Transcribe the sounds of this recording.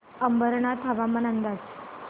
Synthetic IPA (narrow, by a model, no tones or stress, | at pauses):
əmbəɾɳat̪ʰaʋamənand̪as